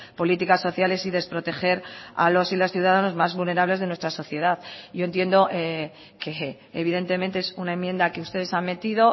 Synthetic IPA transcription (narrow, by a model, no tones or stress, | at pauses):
po̞lit̪ikasːo̞θjale̞siðe̞spɾo̞t̪e̞xe̞ɾa̰lo̞silosθjuðaðano̞zmazβulne̞ɾaβle̞zðe̞nwest̪ɾaso̞θje̞ðaðɟ͡ʝo̞e̞nt̪jend̪o̞ʔe | ke | eβ̞iðe̞nt̪e̞ment̪e̞esunae̞mːje̞nd̪ake̞ust̪e̞ðe̞sanme̞t̪iðo̞